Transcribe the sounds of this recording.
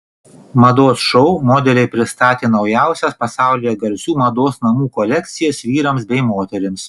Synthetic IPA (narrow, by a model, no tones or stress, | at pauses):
mɐd̪oːsʃɔʊmoːd̪ʲɛlʲɛɪpʲɾʲɪst̪ɑːt̪ʲeːnɒʊjæˑʊsʲɛspɐsɑˑʊlʲɪjɛɡɐlʲsʲuːmɐd̪oːsnɐmuːkɔlʲɛkt̪sʲɪjɛsʋʲiːɾɐmsbʲɛɪmoːt̪ʲɛɾʲɪms